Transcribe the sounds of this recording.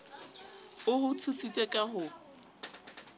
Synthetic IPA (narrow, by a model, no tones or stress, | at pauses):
ʊhʊtʰusit͡sʼekʼaɦʊ